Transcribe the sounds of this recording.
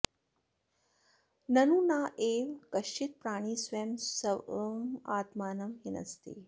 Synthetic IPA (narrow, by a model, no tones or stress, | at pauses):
nɐnuːnaːʔeːʋkɐʃt͡ʃit̪̚pɾaːɽ̃iːsʋeːmsɐʋmaːt̪maːnɐmɦinɐ̰st̪ḭː